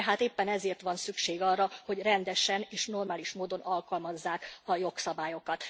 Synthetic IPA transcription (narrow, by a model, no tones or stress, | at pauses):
ɦaːt̪eːpːɛnɛzeːrt̪ʋɒnsykʃeːɡɒrːɒho̞ɟrɛnd̪ɛʃɛneːʃno̞rmaːliʃmoːd̪o̞nɒlkɒlmɒzːaːkɒjo̞ksɒbaːjo̞kɒt̪